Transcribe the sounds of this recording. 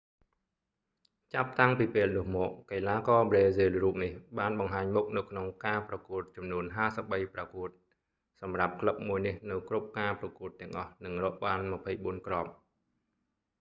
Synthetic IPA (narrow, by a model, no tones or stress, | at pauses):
t͡ɕap̚t̪aŋpiːpeːlnʊ̆əhmɔːʔ̚kajlaːkɑːbreːzeːlruːp̚nihɓaːnɓɑŋɦaːɲmʊk̚nɨwkʰnoŋkaːprɑkuət̪̚t͡ɕɑmnuənɦaːsəp̚ɓəjprakuət̪̚ | sɑmrap̚kʰləp̚muəjnihnɨwkrup̚kaːprɑkuət̪ːɛ̆əŋʔɑhnɨŋrɔːʔɓaːnmăpʰəjɓuənkrŏp̚